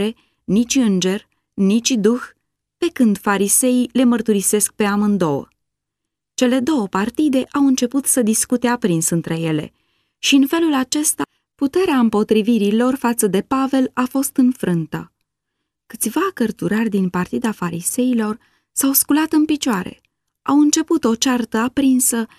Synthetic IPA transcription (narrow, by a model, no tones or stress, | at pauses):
e̞ | nit͡ʃʲɨnd͡ʒe̞r | nit͡ʃʲd̪ux | pe̞kɨnd̪faɾise̞ile̞mərt̪uɾise̞sk̚pe̞amɨnd̪o̞wə̰ | t͡ʃe̞le̞d̪o̞wəpart̪id̪e̞ʔawɨnt͡ʃe̞put̪səd̪iskut̪eapɾinsɨnt̪ɾe̞je̞le̞̰ | ʃiɨnfe̞lulat͡ʃe̞st̪a | put̪e̞ɾeaɨmpo̞t̪ɾiviɾilo̞rfat̪səd̪e̞pave̞lafo̞st̪ɨnfɾɨnt̪ə̰ | kɨ̥t̪sʲvakərt̪uɾərʲd̪inpart̪id̪afaɾise̞ilo̞r | sawskulat̪ɨnpit͡ʃoaɾe̞̰ | awɨnt͡ʃe̞put̪o̞t͡ʃart̪əapɾinsə